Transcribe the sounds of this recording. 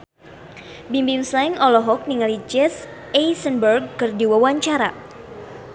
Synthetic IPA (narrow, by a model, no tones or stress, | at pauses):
bimbiŋslajŋɔlɔɦɔk̚niŋalid͡ʒɛs | ɛjsənbərɡ̚kɨrdiwawaɲt͡ʃaɾa